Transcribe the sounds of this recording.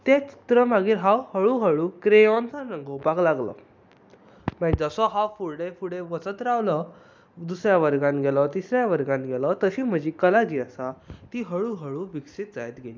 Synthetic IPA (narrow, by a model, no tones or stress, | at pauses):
t̪ɛt͡ɕi̥t̪ɾəmaɡiːɾɦawhəɭuɦəɭuːkɾeɔ̃nt͡sanə̃ŋɡowpaklaɡlɔ̰ | məid͡zəsɔɦawfuɾɽefuɽẽʋət͡sət̪ɾaʋlɔ | d̪usɾjaʋəɾɡãnɡɛlɔt̪isɾjaʋəɾɡãnɡʱɛlɔt̪əɕiːm̤əd͡ʑikəlad͡ʑiːəsat̪iɦəɭuːɦəɭuːʋiksit̪̚d͡zajt̪ɡʱeliː